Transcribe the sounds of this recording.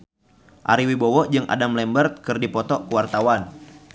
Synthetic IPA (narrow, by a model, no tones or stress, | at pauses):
ʔa̰ɾiwibɔwɔd͡ʒɨŋʔa̰damlɛmbərt̪̚kɨrdipɔt̪ɔkuwart̪awan